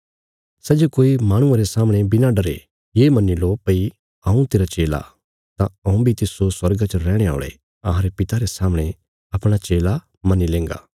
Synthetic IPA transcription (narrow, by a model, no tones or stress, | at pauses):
sɛd͡ʒokoːimãːɽ̃ʊ̃ãɾesaːməɽ̃ebɪnaɖɐɾḛ | jemɐnːilopɐi | ɐũt̪eːɾat͡ʃeːla̰ | t̪ãɐ̃ũbʱit̪ɪsoswɐɾɡat͡ʃəɾɛːɽ̃ea̰ːɭḛ | ɐɦãɾepɪt̪aɾesaːmɽ̃e | ɐpɽ̃at͡ʃeːla | mɐnːilẽːŋɡa̰ː